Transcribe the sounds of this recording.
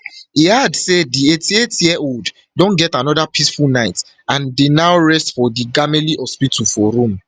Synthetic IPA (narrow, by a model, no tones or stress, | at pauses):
iadsedietʰietjiɛʔold | dɔ̃nɡɛtanɔdapʰisfulnaɪt | ãndenawɹɛstfɔdiɡameliʔɔspitʰufɔɾõm